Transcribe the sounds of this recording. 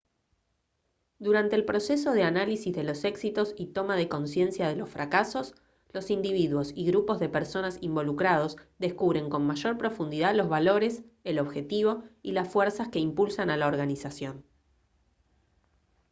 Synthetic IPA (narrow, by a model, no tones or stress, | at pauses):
d̪uɾant̪e̞ːlpɾo̞se̞s̬o̞ð̞eanalisizðe̞lo̞se̞ksit̪o̞sit̪o̞mað̞e̞ko̞nsje̞nsjaðe̞lo̞sfɾʔakaso̞s | lo̞sind̪iβiðwo̞siɣɾupo̞zðe̞peɾso̞nasimbo̞lukɾað̞o̞sðe̞skuβɾe̞ŋko̞nmaʒo̞ɾpɾo̞fund̪iðaðlo̞zβalo̞ɾe̞selo̞βxe̞t̪iβo̞ilasfweɾsaske̞impulsanalaoɾɣanisasjo̞n